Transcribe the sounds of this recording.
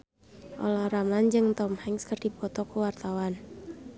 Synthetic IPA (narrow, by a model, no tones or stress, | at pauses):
ʔɔ̰lahramland͡ʒɨŋt̪ɔmhɛŋskərdipɔt̪ɔkəwart̪awan